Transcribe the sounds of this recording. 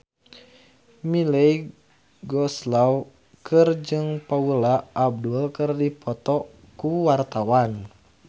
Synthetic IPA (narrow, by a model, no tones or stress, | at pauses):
milɛj | ɡɔslaw | kɨrd͡ʒɨŋpaulaʔːb̚dulkɨrdipʰɔt̪ɔ | kuwart̪awan